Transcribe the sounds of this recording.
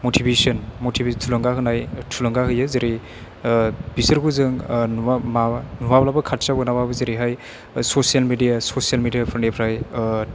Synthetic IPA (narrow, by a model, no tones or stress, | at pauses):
motʰibesɐnmotʰibetʰulɐŋɡaɦɯnajtʰulɐŋɡaɦɯjɯzeɾi | bisɯɾɡuzɯŋnmanumablabɐkʰat̚sabɡɯnawabɯzeɾiɦaj | sosijalmedijasosijalmedijapʰɯɾnepʰɾaj